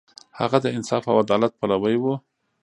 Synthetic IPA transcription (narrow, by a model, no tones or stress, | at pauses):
ha̰ɣad̪əɪnsɑfawad̪ɑlat̪̚palawəjwu